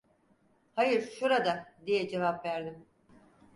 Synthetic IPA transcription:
hajɯɾʃuɾad̪ad̪ijɛd͡ʒe̞vapvæɾd̪im

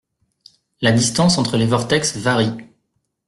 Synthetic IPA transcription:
lad̪ist̪ɑ̃sɑ̃t̪χəlevɔʁt̪ɛksvaʁi

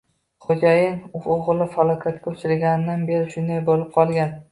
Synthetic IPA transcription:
χod͡ʒajɪŋʊoʁlˠɪfalˠɒkʲʰat̪̚kʲaʊt͡ʃʰɪɾɡʲanɪd̪anbe̞ɾɪʃʊnd̪ajbolɪp̚qʰɒlˠɡʲan

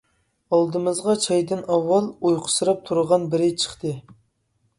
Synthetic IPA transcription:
ɑlˠd̪ɨmɨzʁɑt͡ʃʰɑjd̪ɪnɑwːɑlˠujqʰʊ̥sɨɾɑp̚t̪ʰuɾəʁɑnbɪɾɪt͡ʃʰə̥χt̪ʰɨ

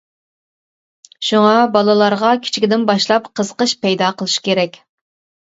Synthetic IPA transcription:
ʃuŋɑbɑlˠɨlˠɑɾʁɑkʲʰi̥t͡ʃʰi̥kʲid̪ɪnbɑʃlˠɑpqʰəz̥əqəʃpʰɛjd̪ɑqʰəlˠɨʃu̥kʲeɾɛkʲ

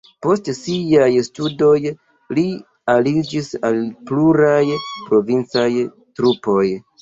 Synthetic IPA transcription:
po̞stsiajstudo̞j | li | alid͡ʒisalpluɾajpɾo̞vint͡saj | tɾupo̞j

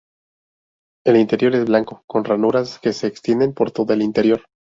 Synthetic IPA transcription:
e̞lint̪e̞ɾjo̞ɾe̞zβlaŋko̞ko̞nranuɾaske̞se̞ːkst̪jend̪e̞mpo̞ɾt̪oðoe̞lint̪e̞ɾjo̞ɾ

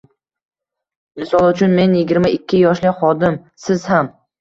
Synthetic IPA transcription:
mɪsɒlˠʊt͡ʃʰʊnme̞njɪɡʲɪɾmaɪkʲʰːɪjɒʃlɪχɒd̪ɪmsɪz̥ham

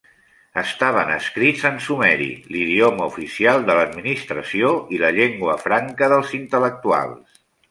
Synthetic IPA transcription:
əst̪aβ̞ənə̰skɾidzənsumɛɾḭliðioməufisialˠd̪ələd̪minist̪ɾəsioiləʎeŋɡwəfɾaŋkəðəlˠzint̪ələk̚t̪ua̰lˠs

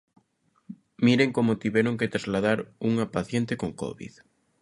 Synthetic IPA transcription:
miɾeŋkomot̪iβɛɾoŋket̪ɾazlaðaɾuŋapaθjent̪ekoŋko̰βḭð

